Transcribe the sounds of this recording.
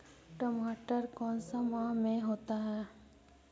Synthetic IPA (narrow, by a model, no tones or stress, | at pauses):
ʈomaːʈəɾkɔːnsamãmẽɦoːt̪aɦɛː